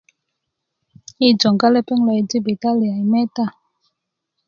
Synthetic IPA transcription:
i˦˨d͡ʒɔ˨ŋɡa˦lɛ˦pɛ˦ŋlɔ˧i˨di˦bi˨ta˦li˨a˨i˨mɛ˦ta˦˨

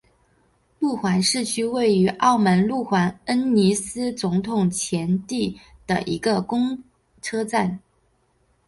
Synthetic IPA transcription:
lu˥˩xwa˧˥nʂɻ̩˥˩t͡ɕʰy˥we˥˩ɪy˧˥ʔɑ˥˩ʊmə˧˥nlu˥˩xwa˧˥nə˥nni˧˥sɹ̩˥t͡sʊ˧˥ŋt̪ʰʊ˨˩ŋt͡ɕʰjɛ˧˥nt̪i˥˩d̪̥ə˩ʔḭ˧˥ɡə˧kʊ˥ŋ | ʈ͡ʂʰɤ˥t͡sa˥˩n

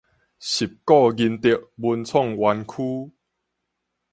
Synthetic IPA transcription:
ɕi˨˩p̚kɔ˥˧ɡi˧nt̪i˨əʔ̚bu˧nt͡sʰɔ˥˨ŋwa˧nkʰu˦

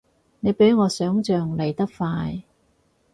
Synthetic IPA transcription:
ne˨˧jpe˨˥jŋɔː˨˧sœː˨˥ŋt͡ʃœː˨ŋle˨˩jt̪ɐ˥k̚faː˧j

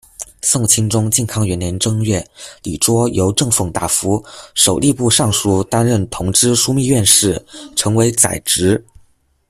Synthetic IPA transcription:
sʊ˥˩ŋt͡ɕʰi˥ŋʈ͡ʂʊ˥ŋt͡ɕjɛ˥˩nkʰɑ˥ŋɥɛ˧˥nljɛ˧˥nʈ͡ʂɤ˥ŋɥɛ˥˩li˨˩ʈ͡ʂwɔ˥jo˧˥ʊʈ͡ʂɤ˥˧ŋfɤ˥˧˩ŋt̪a̰˥˩fu˧˥ʂo˨˩ʊli˥˧pu˥˧ʂɑ˥˩ŋʂu˥˩t̪a˥nɻə˥˩nt̪ʰʊ˧˥ŋʈ͡ʂɻ̩˥ʂu˥mi˥˧ɥɛ˥˧nʂɻ̩˥˩ʈ͡ʂʰɤ˧˥ŋwe˧˥ɪt͡sa̰˨˩ɪʈ͡ʂɻ̩˧˥

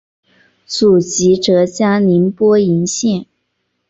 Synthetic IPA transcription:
t͡su˨˩t͡ɕi˧˥ʈ͡ʂɤ˧˥t͡ɕja˥li˧˥npwɔ˥i˧˥nɕjɛ˥˩n

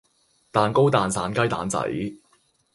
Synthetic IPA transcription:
t̪aː˨˩nko˥wt̪aː˨nsaː˨˥nkɐ˥jt̪a̰ː˨˥nt͡sɐ̰˨˥j

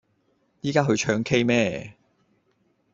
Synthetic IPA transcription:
jiː˥kaː˥ɦɵ˧ɥt͡ʃʰœː˨˧ŋkʰe˥jmɛː˥˩

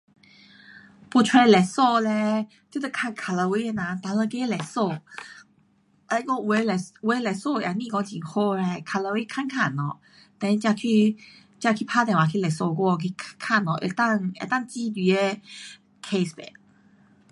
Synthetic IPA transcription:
pu˧tʰwɛ˧lɛ˨˩sɔ˥˧lɛ˧ | t͡ɕo˧˦t̪e˧˩kʰa˥˧˨nkʰa˨˧lo˧wi˧˦e˧nã˨t̪a˧˦lə˧ke˦lɛ˨˩sɔ˥˧˩ | a˧˦kɔ˥˧˨we˧˦lɛ˨˩we˨˦lɛ˨˩so˥˧˨jʔa˨˩nĩ˧kɔ˧˦ŋt͡ɕi˨˩ŋxo˧lɛ˧kʰa˨˧lə˧wi˦kʰa˥˨nkʰa˥˨nɔ̰˨ | t̪ɛ̃˧n˧t͡ɕja˧kʰi˥˧ | t͡ɕja˧kʰi˧˩pʰa˦t̪ɛ̃˨wa˨˩kʰi˧lɛ˨˩sɔ˧kwɔ˥˧˨kʰi˧kʰa˥˧˨nɔ˨ʔḛ˨t̪a˥˧ŋḛ˨t̪a˥˨ŋt͡ɕi˦d̪i˧˩e˧˦ | kʰe˧sbḛ˨

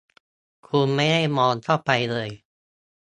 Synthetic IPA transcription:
kʰu˧nma˥˩jha˥˩jmɔː˧nt̪ʰa˥˩pa˧jlɤː˧j

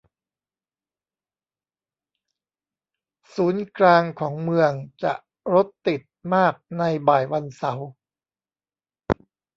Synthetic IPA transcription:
suː˩˦nklaː˧ŋkʰɔː˩˦ŋmɯ˧əŋt͡ɕa̰˨˩ʔ | ɾo˦˥t̪ːi˨˩t̪̚maː˥˩k̚na˧jbaː˨˩jwa˧nsa˩˦w

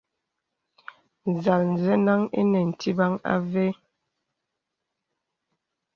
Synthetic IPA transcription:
n̩˨za˨ln̩˨zɛ˦na˦ŋḛ˦nɛ˨n̩˨tʰi˦ba˦ŋa̰˦ve˦

